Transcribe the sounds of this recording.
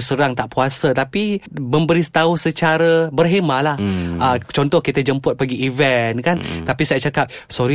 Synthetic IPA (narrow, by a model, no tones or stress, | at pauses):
səɾaŋt̪aʔpuasət̪apimə̃mbəɾist̪ausət͡ʃaɾəbərɦemãʔlahət͡ʃɔnt̪ɔhkit̪əd͡ʒəmpʊt̪̚paɡiːvɛnkant̪apisajaʔ̚t͡ʃakap̚ | sɔɾi